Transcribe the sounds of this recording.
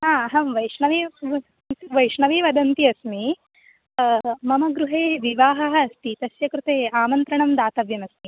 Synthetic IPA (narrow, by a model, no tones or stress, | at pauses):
ɦaːɐɦɐmʋɐjʂɳɐʋiː | ʋɐjʂɳɐʋeːʋɐd̪ɐnt̪iɐsmi | mɐmɐɡɾuɦeːʋiʋaːɦɐɦɐːst̪it̪ɐsjɐkɾut̪eːaːmɐnt̪ɾɐɳɐmd̪aːt̪ɐʋjɐmɐsmi